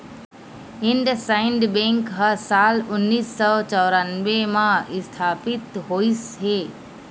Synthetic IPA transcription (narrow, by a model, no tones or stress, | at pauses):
ɪnɖsaɪnɖbẽŋkɦəsaːlʊnːiːsːɔt͡ʃɔɾanʋemãɪst̪ʰaːpit̪ɦoːisɦe